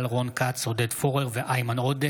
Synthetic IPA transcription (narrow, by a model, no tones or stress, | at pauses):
lʁonkatsod̪ed̪foʁeʁveʔajmanod̪e